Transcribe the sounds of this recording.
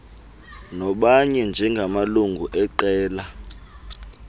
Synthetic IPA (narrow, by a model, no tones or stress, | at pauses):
nɔɓaɲɛnd͡ʒʱɛŋɡʱamaluŋɡʱuʔɛǃɛːla